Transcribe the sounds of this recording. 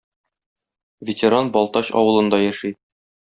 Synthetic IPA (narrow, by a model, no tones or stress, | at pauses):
vʲɪtʲɪɾanbɒlˠt̪ɑɕɒ̰wɤ̆lˠɤ̆nd̪ɑjæʃi